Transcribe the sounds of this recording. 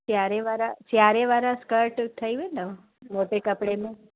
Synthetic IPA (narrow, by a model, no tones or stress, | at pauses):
t͡ʃjaɾeʋaɾad͡ʒjaɾeʋaɾãskəɾʈt̪ʰəjʋeno | moʈekəpɽemĩ